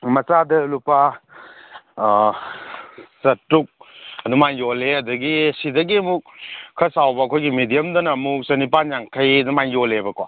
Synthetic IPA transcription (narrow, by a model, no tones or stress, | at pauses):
mɐsadɐlupa | sɐtːuk̚ɐdumajjoleɐdɐɡisidɐɡiɐmuk̚kʰɐsawbɐɐkʰojɡimidijɐmdɐnɐːmusɐnipanjaŋkʰɐjdumanjolebɐkwa